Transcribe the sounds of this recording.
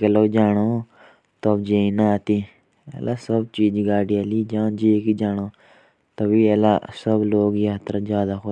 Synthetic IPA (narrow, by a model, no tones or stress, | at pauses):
keloːd͡ʒaːɽ̃oː | t̪obd͡ʒeːĩnat̪iː | ḛːlʔaːsəbt͡ʃiːd͡ʒɡaːɖijaːliːd͡ʒaːnd͡ʒeːkid͡ʒaːɽ̃oː | t̪əbiːeːla̰səbloːɡjiɦət̪ɾəzjaːd̪axʊ